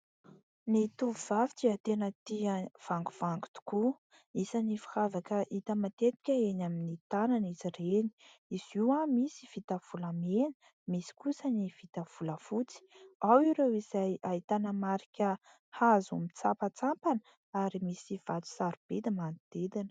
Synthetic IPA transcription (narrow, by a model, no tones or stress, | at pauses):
nit̪uvuv̥avi̥t͡siət̪enət̪iəv̥aŋɡuv̥aŋɡu̥t̪u̥ku | isanifi̥havakəʔit̪əmat̪et̪i̥kʲəenaminit̪ananizireni̥ | iziwamisiv̥it̪əv̥ulamenə̥ | misi̥kusəniv̥it̪əv̥uləfut͡si̥awiɾewiz̥ajait̪anəmaɾikʲə | hazumit͡sapət͡sampanə | aɾimisiv̥at̪u̥saɾub̥ed̪əmanid̪̥ed̪inə̥